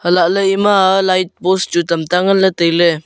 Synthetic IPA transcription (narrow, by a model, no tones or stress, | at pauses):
həlaʔləimalait̪̚bosd͡ʒut̪əmt̪aŋənlət̪əjlə